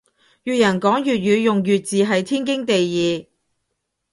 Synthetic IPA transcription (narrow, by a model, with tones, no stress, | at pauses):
jyː˨˧t̚jɐ˨˩nkɔː˨˥ŋjyː˨t̚jyː˨˧jʊ˨ŋjyː˨t̚t͡siː˨ɦɐ˨jt̪ʰiː˥nkɪ˥ŋt̪e˨jjiː˨˧